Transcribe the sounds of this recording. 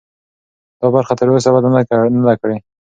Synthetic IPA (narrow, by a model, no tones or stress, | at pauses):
d̪̥ɑbaɾxat̪əɾos̬abad̪anad̪akɽe